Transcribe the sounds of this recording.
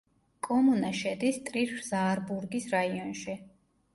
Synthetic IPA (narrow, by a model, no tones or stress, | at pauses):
kʼɔmunaʃɛd̪ist̪ʼɾiɾfzaːɾbuɾɡisɾaiɔnʃi